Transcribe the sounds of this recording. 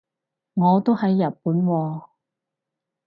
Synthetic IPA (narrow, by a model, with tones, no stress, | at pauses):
ŋɔː˨˧t̪o˥whɐ˨˥jːɐ˨t̚puː˨˥nwɔː˧